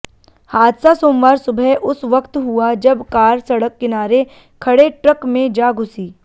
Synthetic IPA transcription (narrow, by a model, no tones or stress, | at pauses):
haːd̪sasoːmʋaːɾsʊbʱɛʔʊsʋɐkt̪ɦuad͡ʒɐbkaːɾsɐɽəkːɪnaːɾe | kʰɐɽeʈɾəkmẽd͡ʒaːɡʱʊsiː